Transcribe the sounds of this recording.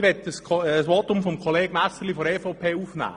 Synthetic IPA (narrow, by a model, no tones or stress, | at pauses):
ʋɛtəskʰəsʋotʊmfɔmkʰɔleːɡ̥mæsəlifɔɾɛːfoʊpʰeːufnæ̰ː